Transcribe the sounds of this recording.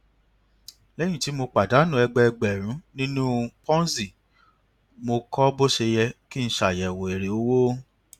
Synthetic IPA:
lɛ˦j̃ĩ˦˨ti˨˦mo˧k͡pa˨da˨˦nũ˦ɛ˧ɡ͡bɛ˧ɛ˧ɡ͡bɛ˨ɾ̃ũ˨˦nĩ˦nũ˦pɔ̃˦si˨ | mo˧kɔ˦bo˦ʃe˧jɛ˧ki˦n̩˦ʃa˨jɛ˨wo˨e˨ɾe˨o˨˦wo˦

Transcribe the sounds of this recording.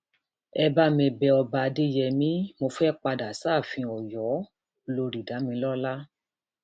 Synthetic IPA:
ɛ˧ba˦mĩ˧˨bɛ˧ɔ˧ba˨˧de˦jɛ˧mĩ˨˦mo˧fɛ˦k͡pa˧da˨˦saː˦˨fĩ˧ɔ˨jɔ˨˦ | lo˧ɾi˨da˨˦mĩ˧˦lɔ˦la˦

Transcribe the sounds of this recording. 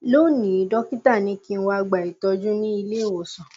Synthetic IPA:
lo˦˨nĩ˨˦dɔ˦ki˦ta˦˨nĩ˧˦ki˦˧n̩˧˦wa˧a˧ɡ͡ba˨i˨tɔ˧d͡ʒũ˦nĩ˦i˧le˦˨wo˨sɔ̃˨

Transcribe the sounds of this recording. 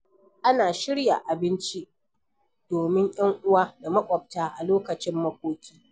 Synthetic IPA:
ʔa˦naː˨ʃɪ˦ɽja̰˨ʔa˨bɪ˦nt͡ʃi˦ʔ | d̥oː˨mɪ˦ɲj̰ʲɐ˦ŋʔʊ˦waː˦da˨mɐ˦kʷʼɔ˨b̚taː˦ʔa˨loː˦kɐ˨t͡ʃɪ˦mːɐ˦kʷoː˦kʲiː˦

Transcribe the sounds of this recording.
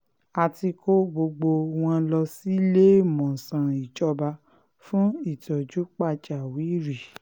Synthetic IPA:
a˧ti˧ko˦ɡ͡bo˧ɡ͡bo˧w̃ɔ̃˧lɔ˧si˦le˦mɔ̃˨sã˨i˨t͡ʃɔ˧ba˧ | fũ˦i˦˨tɔ˨d͡ʒu˨˦k͡pa˦t͡ʃa˨wi˨˦ɾi˨

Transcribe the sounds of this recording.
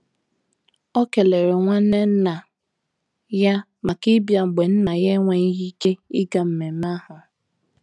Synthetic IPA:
o˦ke˨le˨ɾe˨ŋʷa˦ne˦n̩˦na˨ | ja˦ | ma˨kɪ˦bja˨ŋ͡m̩˨ɡ͡be˨n̩˦na˨je˦ŋʷa˨i˦ɦi˦t͡ʃe˦i˦ɡa˨m̩˨me˨m˦a˦ɦʊ˨

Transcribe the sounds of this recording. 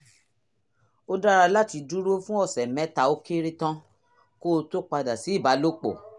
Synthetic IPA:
o˦da˦ɾa˧la˦ti˧du˦ɾo˦fũ˦ɔ˦˨sɛ˨mɛ̃˨˦ta˨˦o˦ke˦ɾe˦tã˦ | ko˦˧to˦k͡pa˧da˨si˨˦i˦˨ba˨˦lo˦k͡po̰˨

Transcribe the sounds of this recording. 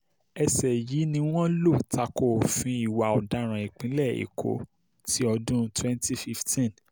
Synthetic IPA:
ɛ˧sɛ˨ji˨˦nĩ˧w̃ɔ̃˦lo˦˨ta˧ko˨fĩ˧˦i˦˨wa˨ɔ˨da˨˧˦ɾ̃ã˨i˨k͡pĩ˨˦lɛ˦˨ḭ˨kʰo̰˨˦ | ti˦ɔ˧dũ˦twɛ̃˦nti˦fi˦ftĩ˦n

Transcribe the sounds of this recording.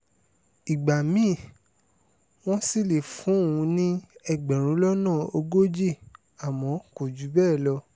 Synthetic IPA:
i˨ɡ͡ba˨mĩ˨˦˨ | w̃ɔ̃˦si˦˨le˨fũ˨˦˨ũ˨˧˦nĩ˦ɛ˧ɡ͡bɛ˨ɾ̃ũ˨˦lɔ˦nãː˦˨o˧ɡo˦d͡ʒe˦˨ | a˨mɔ̃˨˦ko˨d͡ʒu˨˦bɛː˦˨lɔ˧

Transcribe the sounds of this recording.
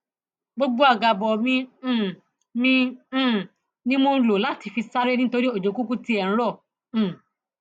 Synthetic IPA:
ɡ͡bo˦ɡ͡bo˦a˦˨ɡa˧˨bɔ˨mĩ˦˨ | mĩ˦˨ | nĩ˦mo˧˦lo˨la˨˦ti˨˧fi˧sa˦ɾe˦nĩ˦to˧ɾi˦o˨d͡ʒo˨ku˦ku˦ti˦ɛ̃˨˦ɾɔ̃˦˨˦

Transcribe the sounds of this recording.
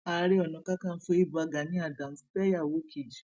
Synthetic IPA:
a˨˧˦ɾe˦ɔ˨nã˨˧˦ka˦kã˦˨n̩˦fo˧˦i˦˨bu˧a˧ɡa˨˦nĩ˦a˦˨dã˨m̩˦stɛ˦ja˦˨wo˨˦kʰe˨d͡ʒ

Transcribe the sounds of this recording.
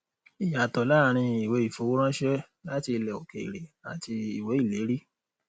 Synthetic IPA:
i˨ja˨tɔ˨la˦˨ɾ̃ĩ˧i˨we˨˦i˦˨fo˨˦wo˦ɾ̃ã˦ʃɛ˦ | la˦ti˧lɛ˨o˨ke˨ḭ˨ɾe˨a˨ti˧i˨we˨˦i˦˨le˨˦ɾi˦

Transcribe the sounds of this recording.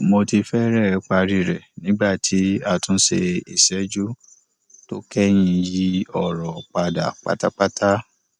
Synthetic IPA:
mo˧ti˧fɛ˦ɾɛ˦˨˦k͡pa˧ɾi˧˨ɾɛ˨nĩ˨˦ɡ͡ba˦˨tʰi˨˦a˧tũ˦sḛ˧i˨sɛ˨˦d͡ʒu˦ | to˦kɛ˦j̃ĩ˧ji˦ɔ˦˨ɾɔ˨k͡pa˨da̰˨k͡pa̰˦ta̰˦k͡pa˦tʰa˦

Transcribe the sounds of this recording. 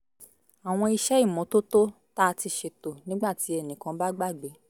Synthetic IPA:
a˨w̃ɔ̃˧i˧ʃɛ˦i˦˨mɔ̃˨˦to˦to˦ | ta˦˧ti˧ʃe˧to˨nĩ˨˦ɡ͡ba˦˨ti˨˦ɛ˦˨nĩ˨˦kã˧ba˦ɡ͡ba˦˨ɡ͡be˨˦

